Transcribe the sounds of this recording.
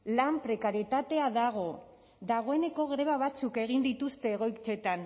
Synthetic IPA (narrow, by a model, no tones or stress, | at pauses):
lampɾe̞kaɾijet̪at̪e̞aðaɣ̞o̞ | ðaɣ̞o̞e̞ne̞ko̞ɣɾe̞βaβ̞at͡suke̞ɣ̞ind̪it̪ust̪e̞ːɣ̞o̞jkt͡se̞t̪an